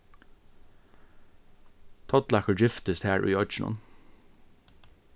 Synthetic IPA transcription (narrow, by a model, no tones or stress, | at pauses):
t̪ʰɔt̪lɑkəɹd͡ʒɪft̪əst̪hæːɹʔʉ̰ːɔd͡ʒɪnʊ̰n